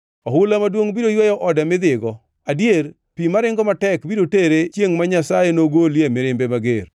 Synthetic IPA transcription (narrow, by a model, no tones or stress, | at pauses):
ɔɦʊlamadwoŋbiɾojwajɔʔɔdamɪd̪ɪɡɔ | adjeɾ | pimaɾɪŋɡɔmatɛkbiɾoteɾet͡ʃjeŋmaɲasajenoɡoljemɪɾɪmbemaɡeɾ